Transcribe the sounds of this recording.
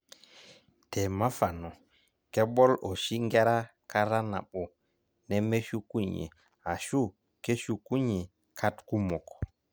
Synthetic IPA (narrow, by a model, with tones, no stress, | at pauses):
tɛ˨ma˦fa˨nɔ˨ | kɛ˦ɓɔ˦lo˨ʃi˦ŋɡe˦ɾa˦ | ka˦ɾa˦na̰˨ɓo˨ | nɛ˦me˦ʃu˦ku˦ɲḛ˨ | a˨ʃu˦˨ | ke˦ʃu˦ku˦ɲe˨ | kʰa˦tku˦mɔ˨kɔ̥˨